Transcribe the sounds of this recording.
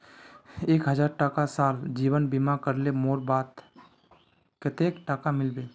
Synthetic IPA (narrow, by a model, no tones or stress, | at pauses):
eːkɦəd͡ʒaɾʈakasald͡ʒiːbənbimakəɾlemoːɾbat̪ | kət̪ekʈakamɪlbe